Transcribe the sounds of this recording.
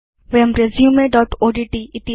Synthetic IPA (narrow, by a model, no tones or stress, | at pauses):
ʋeɐmɾezjũmẽɖɔːʈoːɖiʈiɪt̪i